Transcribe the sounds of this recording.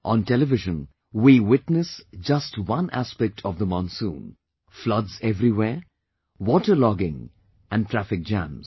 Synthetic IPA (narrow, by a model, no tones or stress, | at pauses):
ʔɔ̃nʈɛlɪvɪʒə̃n | wiwɪʈnəsd͡ʒʌstwʌ̃nʔæ̰spɛk̚ʈʰɔvd̪əmɔ̃nsṵ̃n | flʌdzɛvɾiweː | wɔːʈəɾlɔɡɪ̃ŋ | ʔæ̃nɖ̚ʈʰɾæfɪk̚d͡ʒæ̰̃mz